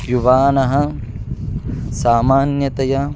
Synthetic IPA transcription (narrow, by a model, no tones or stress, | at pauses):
juʋaːnɐɦɐ̆ | saːmaːnjɐt̪ɐjɐ